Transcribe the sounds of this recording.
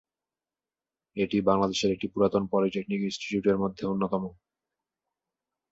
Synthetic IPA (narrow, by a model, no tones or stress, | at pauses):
eʈibaŋlad̪eʃeɾek̚ʈipuɾat̪onpɔɾiʈek̚nikinsʈi̥ʈjuʈeɾmod̪ʱːeonːot̪ɔmo